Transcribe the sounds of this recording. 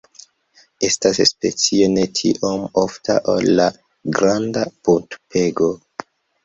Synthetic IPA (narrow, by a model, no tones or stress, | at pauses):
e̞stasspe̞̰t͡sie̞ne̞tʰḭʔomofta̰ʔo̰lːa | ɡɾandapuntpe̞ɡo̞